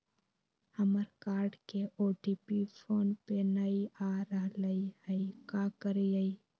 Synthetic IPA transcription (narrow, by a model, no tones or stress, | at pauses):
həməɾkaːɾɖkeʔoːʈipipʰoːnpenəiaːɾəɦləihəikakəɾijəi